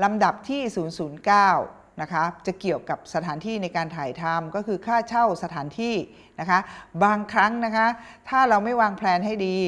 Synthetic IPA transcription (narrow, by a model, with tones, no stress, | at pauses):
la˧mda˨˩p̚t̪ʰiː˥˩suː˩˦nsuː˩˦nkaː˥˩w | na˦˥kʰa˦˥t͡ɕa˨˩ki˨˩əwka˨˩p̚sa˧t̪ʰaː˩˦nt̪ʰiː˥˩na˧jkaː˧nt̪ʰaː˨˩˦jt̪ʰa˧mkɔː˥˩kʰɯː˧kʰaː˥˩t͡ɕʰa˥˩wsa˧t̪ʰaː˩˦nt̪ʰiː˥˩ | na˦˥kʰa˦˥baː˧ŋkʰɾa˦˥ŋna˦˥kʰa˦˥t̪ʰaː˥˩ɾa˧wma˥˩jwaː˧ŋpʰlɛː˧nɦa˥˩jdiː˧